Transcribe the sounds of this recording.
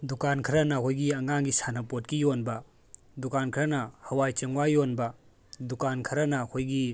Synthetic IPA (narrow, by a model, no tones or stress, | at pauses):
dukankʰɐɾɐnɐkʰojɡiɐŋaŋɡisanɐpot̚kijonbɐ | dukankʰɾɐnɐhɐwajt͡ʃɐŋwajːonbɐ | dukankʰɐɾɐnɐːkʰojɡi